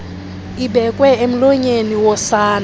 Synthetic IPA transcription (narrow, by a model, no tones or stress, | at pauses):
ibɛkʼwɛem̩lɔɲeniwɔsaːna